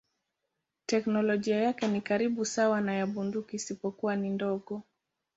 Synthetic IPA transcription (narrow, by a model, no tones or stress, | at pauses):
tɛknɔlɔʄiajakɛnikaɾiɓusawanajaɓundukiːsipɔkuwanindɔɠɔ